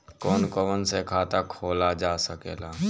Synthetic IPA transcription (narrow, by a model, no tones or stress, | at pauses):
kɔːnkɔʋənsekʰaːt̪akʰoːlad͡ʒaːsəkḛːlaː